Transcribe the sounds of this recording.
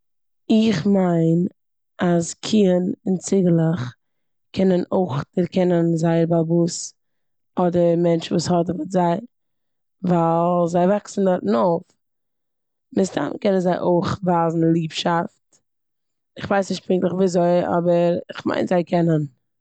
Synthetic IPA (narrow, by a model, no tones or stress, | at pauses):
ɪχmaɪn | askʰiənɪnt͡sɪɡəlˠəχ | kʰɛnənoɪχdɪɾkɛnənzaɪɾbabuːs | ɔdəmɛnt͡ʃvuːshɔtvʊtzaɪ | valˠzaɪvaksn̩dɔɾtnoʊf | mɪstʰa̰nkɛnənzaɪʔoɪχvaːzn̩lˠiːpʃaft | ɪχvaɪsnɪʃt̚pɪŋklˠəχviːzoɪɔ̰bəɾɪχma̰ɪnzaɪkʰɛnən